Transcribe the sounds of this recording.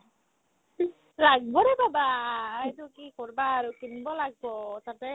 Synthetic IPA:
laɡ̚bɔɾebabajtukikɔɹbaːɾukinbɔlaɡ̚bɔsatɛ

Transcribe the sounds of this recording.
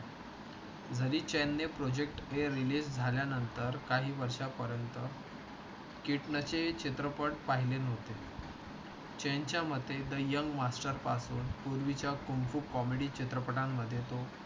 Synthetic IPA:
d͡zʱəɾiːt͡ɕenːepɾod͡ʑek̚ʈeɾilisd͡zʱaljanənt̪əɾkaɦiːʋəɾʂapəɾjənt̪ə | kiʈnət͡ɕet͡ɕʰit̪ɾəpəʈpaɦilenɦot̪e | t͡ɕent͡ɕjamət̪ːed̪əjːəŋɡmasʈəɾpasuːnpuɾʋit͡ɕjakumfukɔmeɽiːt͡ɕit̪ɾəpəʈamːəd̪ʱːjet̪o

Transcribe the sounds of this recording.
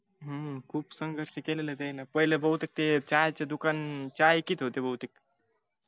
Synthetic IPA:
ɦə̃kʰuːbsəŋɡʱəɾʃekelelet̪enapəɦilebəɦut̪ek̚t̪et͡ʃajt͡ʃed̪ukant͡ʃajkit̪ʰɦot̪ebəɦut̪ek̪̚

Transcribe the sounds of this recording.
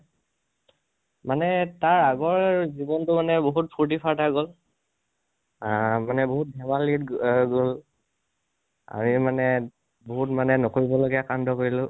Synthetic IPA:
manɛtaɹaɡɔɹzibɔntʊmanɛboɦut̚pʰuɹt̬ipʰaɹtaɡol | manɛboɦut̚dʱɛmalitɡol | a̰mimanɛ | boɦutmanɛnokoɹibɔloɡɛakandɔkoɹilʊ̃

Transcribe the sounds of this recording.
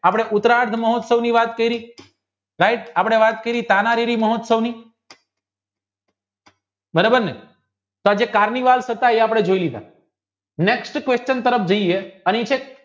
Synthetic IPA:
apɽ̃eʔʊt̪ɾaɾd̪ʱməɦɔot̪səʋniʋat̪kəiɾi | ɾajʈ̚apəɽ̃eʋat̪̚kəiɾit̪anaɾiɾiməɦot̪səʋni | bəɾebənnḛ | t̪oad͡ʒekaɾniʋalsət̪aeapɽ̃ed͡ʒoilid̪ʱa̰ | neksʈkʋest͡ʃənt̪əɾəpʰd͡ʒəieənet͡ʃʰe

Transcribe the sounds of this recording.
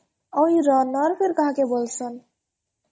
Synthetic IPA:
ɔjɾɔnɔɾfʰeɾkaɦakebolt͡ɕʰon

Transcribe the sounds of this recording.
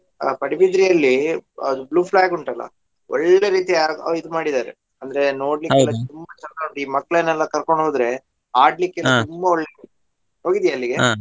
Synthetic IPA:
pɐɽibid̪ɾijɐlːiɐ̰d̪ubluːpʰlaːɡuɳʈɐlːɐ̰ | ɔɭːeɾiːt̪iaɐid̪umaːɽid̪aːɾḛ | ɐnd̪ɐɾe̞no̞ːɽlikːɛlɐt̪umbɐt͡ʃɐnd̪ɐuɳɖiːmɐkːɐɭenːɛlːɐkɐɾko̞ɳɖɦo̞ːd̪ɾe̞ | aːɖlikːeɛlːɐt̪umbɐɔɭːe | ɦo̞ːɡid̪jaːlːiɡe̞

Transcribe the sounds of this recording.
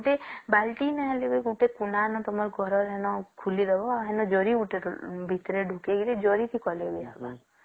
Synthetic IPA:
uʈebalʈinɛɦelebeuʈekunanɔt̪ɔmɔɾɡʱɔɾɔɾɦenɔkʰulid̪ebɔɦɛnɔd͡ʒɔɾiuʈebʱit̪ɾeɖʱukeɡiɾed͡ʒɔɾit̪ʰikɔlebiaba

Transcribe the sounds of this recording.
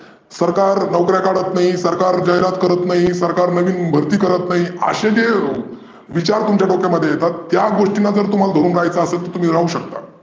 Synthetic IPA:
səɾkaɾnəwkɾjakaɽət̪naɦisəɾkaɾd͡ʑaɦjɾat̪kəɾət̪naɦisəɾkaɾnəʋiːnbʱəɾt̪iːkəɾət̪naɦiə̰ɕẽd͡ʑe | ʋit͡ɕaɾt̪umt͡ɕjaʈokjaməd̪ʱjejet̪at̪ːjaɡoʂʈinad͡zəɾt̪um̤ald̪ʱoɾuːnɾaajt͡saːsət̪əɾt̪um̤iːɾaɦuːɕək̚t̪a̰

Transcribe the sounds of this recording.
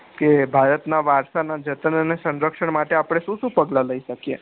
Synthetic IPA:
kebʱaɾət̪naʋaɾʃanad͡ʒət̪ənənesə̃nɾəkʃəɳmaʈeapɽ̃eʃũʃũpəɡlaləiʃəkiḛ

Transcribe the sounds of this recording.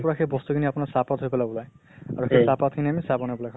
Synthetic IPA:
pɔɹaxʰejbɔst̪ukʰiniapʊnasapatɦojpɛlabɔlaj | aɹuxesapat̚kʰiniamisabɔnabɔlajkʰ

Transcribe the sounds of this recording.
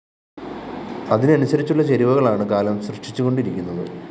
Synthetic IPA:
ɐðinɨɐnusɐɾit͡ɕːuɭːɐt͡ɕeɾiʋɐɣɐɭaːɳɨkaːlɐmɕrɨʂit͡ɕːuɣo̞ɳɖiɾikʲːunːɐðɨ

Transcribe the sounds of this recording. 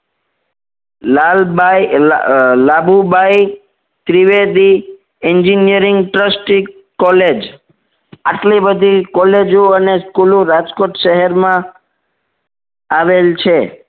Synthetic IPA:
lal | labʱubai | t̪ɾiʋed̪i | ɛɲd͡ʒinijəɾiŋɡʈɾəsʈi | kɔled͡ʒ | aʈlibəd̪ʱikɔled͡ʒũəneskulũɾad͡ʒkoʈʃəɦɛɾmã | aʋelt͡ʃʰe

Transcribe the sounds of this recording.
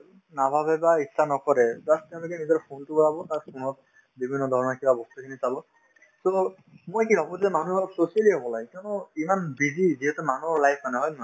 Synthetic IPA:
nabʱabɛbaitsʰanɔkɔɹɛzattɛʊ̃lukɛnizɔɹpʰontʊkɔɹabɔtaɹpʰonɔt̚ | bibʱinːɔdʱɔɹɔnɔɹkibabɔstukʰinisalɔ | so | mojkibʱabɔɛmanuɔɹɔtsosialiɦɔbɔlaɡɛkɔnɔimanbiziziɦɛtumanuɔɹlajpʰmanɛɦɔjm

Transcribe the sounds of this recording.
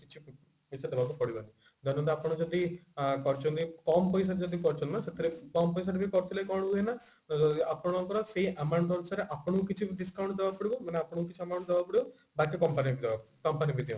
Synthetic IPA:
kit͡ʃʰi | bisad̪ebakupɔɽibani | d͡ʒ̪ɔñnd̪iapɽ̃ɔd͡ʒɔd̪ikɔɾt͡ʃʰunt̪ikɔmpɔjs̬aɾed͡ʒɔd̪ikɔɾt͡ʃʰɔ̃nt̪naset̪ʰɾekɔmpɔjs̬aɾebikɔɾsilejkɔɽuɦuena | ɔd̪iapɔɽ̃ŋkɔɾɔseɦiʔamawɳɖd̪ɔɽsaɾeʔapɔɽ̃ɔkuk̬it͡ʃʰiɖiskawɳʈd̪ebapɔɽibɔmaneapɽ̃ɔkukit͡ʃʰiamawɳʈd̪ebapɔɽibɔ | bat̪ːekɔmpanipid̪ebakukɔmpanipid̪iũ

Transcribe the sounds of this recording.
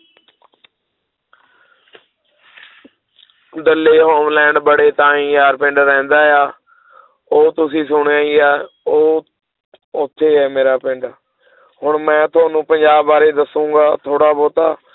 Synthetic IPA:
d̪əlːeːɦoːmlɛ̃ːɳɖbəɽeːt̪ãːĩːjaːɾpɪ̃ɳɖɾɛ̃ːnd̪aːejaː | oːt̪ʊsĩːsʊɳaːiːaː | oː | ot̪ʰːeːɦɛːmeːɾaːpɪ̃ɳɖaː | ɦʊɳmɛ̃ːt̪ʰʊaːnũːpəɲd͡ʒaːbːaːɾeːd̪əsũːɡaːt̪ʰoːɽaːboːt̪aː

